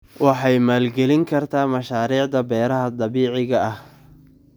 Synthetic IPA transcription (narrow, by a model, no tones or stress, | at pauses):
wɑħɑjmaːlɡɛlɪŋkʰɐrt̪ʰaːmɐʃaːɾiːʕd̪ɐbɛːɾɐɦɐd̪ɑβiːʕɪɣɐʔɐh